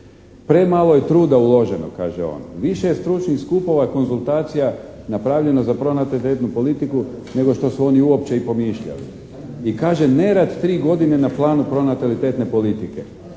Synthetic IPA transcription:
pɾe̞maːlˠo̞je̞t̪ɾuːd̪aulˠo̞ʒeno̰ka̰ːʒḛo̰ːnʋiʃejest̪ɾut͡ʃnixskupo̞ʋako̞nzulˠt̪aːt̪sija | napɾaːʋʎe̞nozapɾo̞nat̪alit̪et̪nupo̞lit̪iku | ne̞ɡo̞ʃt̪o̞suo̞niuo̞pt͡ɕe̞ipo̞miːʃʎa̰lḭ | ikaːʒe̞ne̞ɾat̪t̪ɾiːɡo̞d̪ine̞naplˠaːnupɾo̞nat̪alit̪et̪ne̞po̞lit̪ikḛ

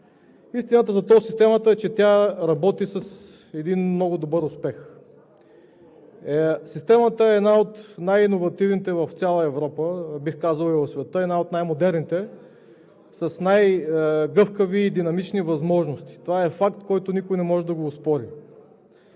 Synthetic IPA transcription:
ist̪inət̪əzɐt̪ɔsist̪ɛmət̪əɛt͡ʃɛt̪ʲjaɾɐbɔt̪isɐs | ɛd̪inmnɔɡʊd̪obɤɾʊspɛx | ɛsist̪ɛmət̪əɛːd̪naot̪najinovɐt̪ivnit̪ɛvɐft̪sʲjalˠəɛvɾɔpəbixkazəlˠivɐfsvɛt̪əɛnaot̪najmod̪ɛɾnit̪ɛ | sɐsnajɡɤfkəviːd̪inɐmit͡ʃnivɐzmɔʒnost̪i̥t̪ovaɛfakt̪kɔjt̪ʊnikʊjnɛmɔʒɛd̪ɐɡoːspɔɾi

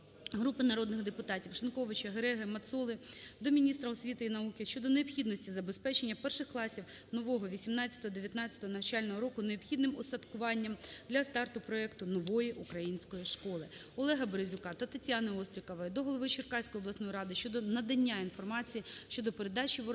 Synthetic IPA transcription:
ɦɾupɪnɐɾɔd̪nɪɣd̪epʊt̪ɑtʲiwʃɪnkɔʋɪt͡ʃɐɦeɾɛɦɪmɐt̪sɔlˠɪd̪ɔmʲinʲist̪ɾɐɔsʲʋʲit̪ɪinɐukɪʃt͡ʃɔd̪ɔneɔpxʲid̪nɔsʲtʲizɐbespɛt͡ʃenʲːɐpɛrʃɪxklˠɑsʲiw | nɔʋɔɦɔʋʲisʲimnɑt͡sʲɐ̥t̪ɔɦɔd̪eʋʲjɐt̪nɑt͡sʲɐ̥t̪ɔɦɔnɐwt͡ʃɑlʲnɔɦɔɾɔkʊneɔpxʲid̪nɪmɔsɐt̪kʊʋɑnʲːɐmd̪lʲɐst̪ɑrt̪ʊpɾɔɛkt̪ʊnɔʋɔjiʔukɾɐjinʲsʲkɔjiʃkɔlˠɪ | ɔlˠɛɦɐbeɾezʲʊkɑt̪ɐt̪ɐtʲanɪɔst̪ɾʲɪkɐʋɐd̪ɔɦɔlˠɔʋɪt͡ʃɪrkɑsʲkɔjiblˠɐsnɔjiɾɑd̪ɪʃt͡ʃɔd̪ɔnɐd̪ɐnʲːainfɔrmɑt͡sʲijiʃt͡ʃɔd̪ɔpeɾed̪ɑt͡ʃʲiʋ

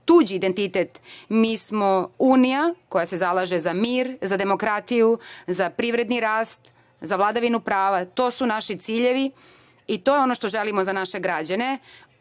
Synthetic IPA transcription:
t̪ud͡ʑiːd̪e̞nt̪it̪et̪miːsmo̞uːnijako̞jase̞zalˠaʒe̞zamiːɾzad̪e̞mo̞kɾat̪ijuzapɾiʋɾe̞d̪niɾaːst̪ | zaʋlˠad̪aʋinupɾaːʋat̪o̞ːsunaʃit̪siːʎe̞ʋi | it̪o̞ːjeo̞no̞ʃt̪o̞ʒe̞limo̞zanaʃe̞ɡɾad͡ʑane̞

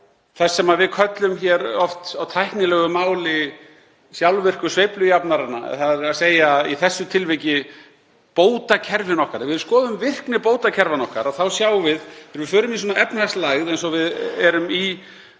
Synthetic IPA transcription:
θɛsːɛmaðvɪðkʰœt̪lʏmçɛːɾɔft̪awt̪ʰajhknɪlɛːɣʏmaːwlɪ | sjawlvɪr̥kʏ̥svejplʏjapnaɾana̰θaðɪɾɾaðseːjaiθɛsːʏt̪ʰɪlvɪcɪ | poːwt̪acʰɛɾvɪnɔhkaɾvɪðɾskɔːðʏmvɪr̥knɪpoːwt̪acʰɛɾvanɔhkaɾaðθawsjaːwvɪðɪɾvɪfœːɾʏmisɔːnaʔɛpnast̪laɣðejnsɔvɪðɛɾʏmi

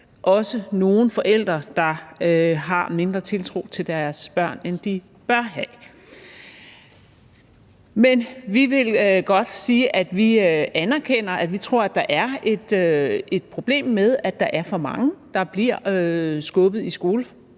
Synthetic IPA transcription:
ʔɒ̽səno̝ːn̩fɒ̽ʔel̰d̥ʁɐd̥ɑ̈øɦɑ̈me̝nd̥ʁɐt͡sʰe̝lt͡sʰʁo̝̰t͡sʰe̝ld̥æɐsb̥ɶɐ̰nend̥i | b̥ɶɐɦɛ | menʋiʋe̝lɡ̥ɒ̽d̥siːəʔæd̥ʋiʔænæɐkʰen̰ɐʔæ̥ʋit͡sʰʁo̝ɐ̰æd̥ɑ̈ʔæɐe̝d̥e̝d̥̚pʰʁo̝b̥le̝̰ːmːeð̞ˠæd̥ɑ̈ʔæɐfɒ̽mɑ̈ŋəd̥ɑ̈b̥liɐ̰sɡ̥ɔ̽b̥ð̩ˠisɡ̥o̝ːlə

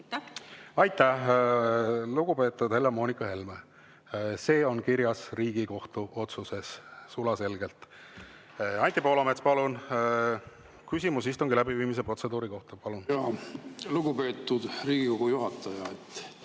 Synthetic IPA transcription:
ɑjt̪ːˑæh | luɡ̥upe̞ːt̪ːˑud̪̥he̞lːemo̞ːnikːˑɑhe̞lme | se̞ːo̞nkiɾjɑsriːɡ̥iko̞ht̪uʔo̞t̪suse̞sːulɑse̞lɡe̞lt̪ | ɑnʲt̪ʲːipo̞ːlɑmet̪spɑlun | kysʲimusist̪uŋɡ̥ilæbiviːmis̬epro̞t̪se̞d̪̥uːɾiko̞ht̪ɑpɑlunjɑluɡupe̞ːt̪ˑːud̪̥ɾiːɡiko̞ɡujuɦɑt̪ːˑɑjɑet̪ː

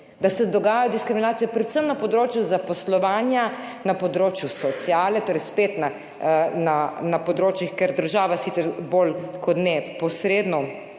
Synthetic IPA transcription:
d̪asɛd̪ɔɡaːjajɔd̪iskɾiminaːt̪sijɛpɾɛt̪səmnapɔd̪ɾoːt͡ʃjuzapɔslɔʋaːnjanapɔd̪ɾoːt͡ʃjusɔt̪sjaːlɛt̪oːɾɛjspeːt̪na | nanapɔd̪ɾoːt͡ʃjixkɛɾd̪əɾʒaːʋasit̪sɛɾbolkɔt̪nɛpɔsɾeːd̪nɔ

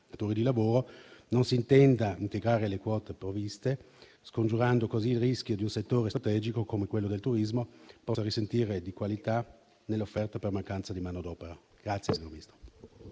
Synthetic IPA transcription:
at̪uːɾid̪ilavoːɾononsiːnt̪ɛnd̪aint̪eɡɾaːɾelekwɔːt̪epɾovist̪e | skond͡ʒuɾand̪okoziːlriskjod̪iunset̪ːoːɾest̪ɾat̪ɛːd͡ʒikokomekwelːod̪elt̪uɾizmopɔsaɾisent̪iːɾed̪ikwalit̪a | nelːofːɛrt̪apermaŋkant̪sad̪imaːnod̪ɔːpeɾa | ɡ̥ɾat̪sjesiɲorminist̪ɾo

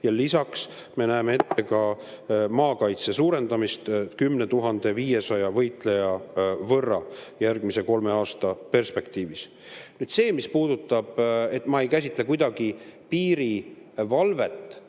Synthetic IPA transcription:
jɑlisɑks | me̞næemeet̪ːe̞kɑ | mɑːkɑjt̪se̞suːɾe̞nd̪ɑmist̪kymne̞t̪uɦɑnd̪̥e̞viːje̞sɑjɑvɤ̞jt̪ˑle̞jɑvɤrːɑjærɡmise̞ko̞lme̞ɑːst̪ɑpe̞rspe̞kt̪iːvis | nyːd̪se̞ːmispuːd̪̥ut̪ˑːɑb̥e̞t̪mɑe̞jkæs̬ʲit̪ːˑle̞kujd̪̥ɑɡ̥ipiːɾi | vɑlve̞t̪ːˑ

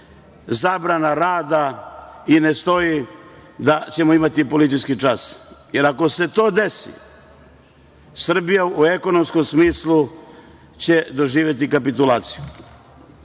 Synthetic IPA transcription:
zabɾanaɾaːd̪aine̞st̪o̞jid̪at͡ɕe̞moimat̪ipo̞lit̪sijskit͡ʃasje̞ɾako̞se̞t̪o̞ːd̪esḭ | sr̩bijaueko̞no̞msko̞msmiːslˠu | t͡ɕe̞d̪o̞ʒiːʋje̞t̪̬ikapit̪ulˠaːt̪si̥ju

